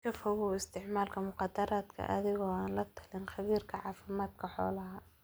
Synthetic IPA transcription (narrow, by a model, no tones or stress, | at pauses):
kʰɐfɐwʊɪst̪ʰɪʕmaːlkʰɐmʊqɑd̪ɐɾaːd̪kʰɐ̰ʔɐ̰ðɪɣɔːaːnlɐt̪ʰɐ̥lɪnxɐβiːrkʰɐʕɑːfɪmaːd̪̚kʰɐħɔ̰ːlɐɦɐ